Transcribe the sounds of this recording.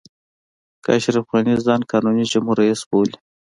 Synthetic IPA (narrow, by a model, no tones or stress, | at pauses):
ka̰ʃɾifɣɑnizɑːnkɑːnunid͡ʒamhuɾaisboli